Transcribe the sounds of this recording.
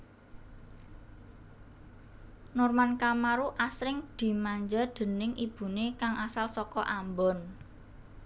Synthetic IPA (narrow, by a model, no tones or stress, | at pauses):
nɔrmankamaɾuʔasɾɪŋd̪̥i̤maɲd͡ʒad̪̥ə̤nɪŋib̥ṳnekaŋʔasalsɔkɔʔambɔn